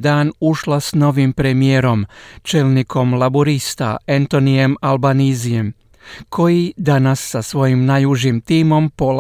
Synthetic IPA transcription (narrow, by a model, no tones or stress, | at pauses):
d̪aːnuʃlasno̞ʋimpɾemijeɾo̞mt͡ʃelnikʰo̞mlaboɾist̪a̰ent̪o̞nije̞malbaniːzije̞m | kʰo̞jid̪anasːasʋo̞jimnajuʒimt̪iːmo̞mpo